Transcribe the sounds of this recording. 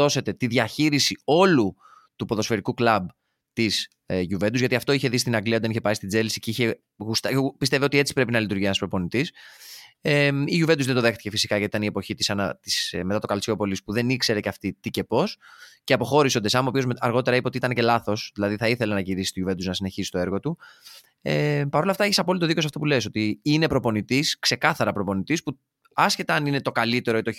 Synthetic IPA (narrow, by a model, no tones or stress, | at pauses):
o̞se̞t̪e̞t̪iðʝɐçiɾisio̞lu | t̪upo̞ðo̞sfe̞ɾikuklɐb | t̪is | ʝuve̞nd̪uzʝɐt̪iɐft̪o̞içe̞ðist̪inɐŋɡliɐod̪eiçepɐist̪id͡ze̞lisiceiçe̞ | ɣust̪ɐpist̪e̞vio̞t̪ie̞t͡si̥pɾe̞pinɐlit̪uɾʝienɐspɾo̞po̞nit̪is | emiʝuved̪uzðed̪o̞ðext̪i̥ce̞fisi̥kɐʝɐt̪it̪ɐnie̞po̞çit̪isɐnɐt̪i̥smet̪ɐt̪o̞kɐlt͡sio̞po̞lispuðe̞nikse̞ɾe̞ceɐft̪it̪ice̞po̞sceɐpo̞xo̞ɾisod̪esɐmopio̞zmɐɾɣo̞t̪eɾɐipɐo̞t̪iit̪ɐnece̞lɐθo̞sðilɐðiθɐiθe̞lenɐʝiɾisi̥st̪oʝuve̞nd̪uznɐsine̞çisist̪o̞e̞ɾɣo̞t̪u | epɐɾo̞lɐft̪ɐeçisɐpo̞lit̪oðicosɐft̪opule̞is̬o̞t̪iine̞pɾopo̞nit̪iskse̞kɐθɐɾɐpɾo̞po̞nit̪ispu | ɐsçe̞t̪ɐɐnine̞t̪o̞kɐlit̪e̞ɾoit̪o